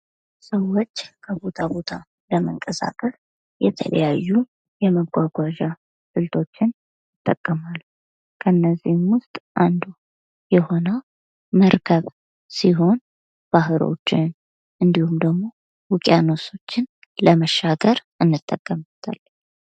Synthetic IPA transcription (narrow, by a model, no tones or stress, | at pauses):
səwːot͡ʃːkʰəβo̞t̪ʰabo̞t̪ʰa | ləməŋkʼəsa̰kʼəs | jɛt̪ʰə̰lə̰jajːu | jɛməɡʷaɡʷaʒa | sɨlt̪ʰo̞t͡ʃːɪn | jɪt̪ʼːəkʼːəmalːu | kʰənːəzːihmwʊst̪ʼʔand̪u | jɛho̞nəw | məɾkʰəβ | siɦo̞n | b̥ahɨɾo̰t͡ʃːɪn | ʔɨnd̪ihumd̪əɡmo̞ | wʊkʼjanoso̞t͡ʃːɪn | ləməʃːaɡəɾʔɨnːɨt̪ʼːəkʼːəmt̪ʰa̰lː